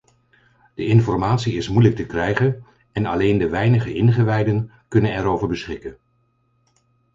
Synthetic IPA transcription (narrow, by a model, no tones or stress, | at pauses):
d̥əʔɪnfɔɹmaːtsiɪsmujlək̚təkrɛjχən | ɛnɑ̰lejndəʋɛjnəχəʔɪnχəʋɛjdən | kɵnənɛɾowvəɹbəsχɪkən